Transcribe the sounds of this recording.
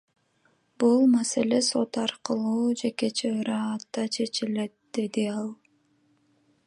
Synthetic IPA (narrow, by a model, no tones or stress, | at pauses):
bulˠmase̞le̞so̞t̪ɑɾqəlˠuːd͡ʒe̞ke̞t͡ʃʰeɾɑːt̪ːɑt͡ʃʰe̞t͡ʃile̞t̪̚d̪̥e̞d̪iɑlˠ